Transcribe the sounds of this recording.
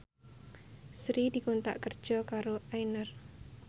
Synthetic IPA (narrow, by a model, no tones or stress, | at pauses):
sɾidi̤kont̪a̰ʔkərd̥d͡ʒʒ̥ɔkaɾoajnər